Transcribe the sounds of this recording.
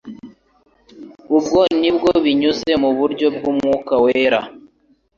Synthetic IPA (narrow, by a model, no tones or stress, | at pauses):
ubɡo̞nibɡo̞βiɲuze̞muβuɾɟo̞b̚ɡumŋuːkaweɾa̰